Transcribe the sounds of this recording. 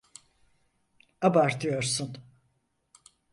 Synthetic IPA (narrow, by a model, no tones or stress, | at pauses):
abaɾt̪ʰɯjo̞ɾsun